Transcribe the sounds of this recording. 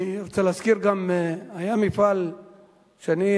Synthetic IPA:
ɾt͡salaskiɾɡamajamifal | ʃani

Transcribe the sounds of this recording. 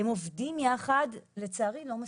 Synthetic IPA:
emo̞vdimjaχadlet͡saːʁilo̞ma

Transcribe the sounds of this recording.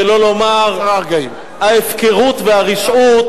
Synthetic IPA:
elo̞lo̞maʁaʁɡaim | haefkeʁut̪veaʁiʃut

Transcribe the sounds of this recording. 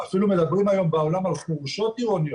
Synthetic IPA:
afilumeðabɾunajombaːβlamalχuɣusot̪ioni

